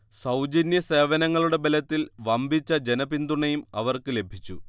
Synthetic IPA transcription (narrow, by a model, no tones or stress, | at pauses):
sɐwd͡ʑɐnjɐse̞ːʋɐnɐŋːɐɭuɽe̞belɐt̪ːilʋɐmbʱit͡ɕːɐd͡ʑe̞nɐbind̪uɳɐjumɐ̰ʋɐrkɨle̞bʱit͡ɕːu